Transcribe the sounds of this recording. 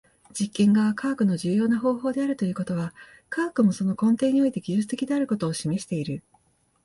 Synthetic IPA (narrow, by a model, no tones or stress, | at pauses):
d͡ʑikːẽ̞ŋɡaβakaːkɯ̟no̞ʑɨːjo̞ːnaɦo̞ːɦo̞ːd̪e̞aɾɯ̟t̪o̞jɯ̟ko̞t̪o̞βa | kaːkɯ̟mo̞so̞no̞kõ̞nt̪e̞ːɲ̟io̞it̪e̞ɡʲiʑɨt͡sɨ̥t̪e̞kʲid̪e̞aɾɯ̟ko̞t̪oːɕime̞ɕi̥t̪e̞iɾɯ̟